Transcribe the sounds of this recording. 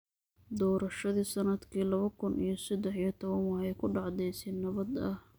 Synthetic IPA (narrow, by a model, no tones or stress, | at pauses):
d̪ɔːɾɐʃɐðiːsɐnɐd̪kʰiːlɐβɐkʰʊnʔḭjɞsɐd̪ɛħijɔt̪ʰɔβɐnwɑːhɛkʰʊɖɑʕd̪ɛjsɛnɐβɐd̪ɐh